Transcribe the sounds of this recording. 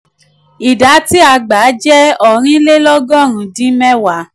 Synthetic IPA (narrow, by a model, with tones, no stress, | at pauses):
i˨da˨˦ti˦a˧˨ɡ͡ba˨˦d͡ʒɛ˦ɔ˨ɾ̃ĩ˦le˦lɔ˦ɡɔ̃˦˨ɾ̃ũ˧˨dĩ˦mɛ̃˦wa˨˦